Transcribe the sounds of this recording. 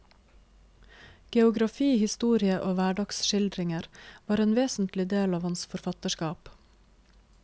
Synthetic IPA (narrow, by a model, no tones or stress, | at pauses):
ɡ̥ɛʊɡɾɑfiːhɪst̪uːɾɪəʔoːʋæːɖɑksʃɪld̪ɾɪŋəɾʋɑːɾeːnʋeːsn̩t̪lɪd̪eːlɑːʋhɑnsfɔɾfɑt̪əʃkɑːp